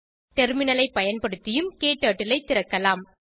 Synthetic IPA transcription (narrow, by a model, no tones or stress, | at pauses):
ʈɛɾmɪnɐlɐɪpɐjɐnpɐɽɯt̪ːɪjɯmkeːʈːaːʈːɪlɐɪt̪ːɪɾɐkːɐlaːm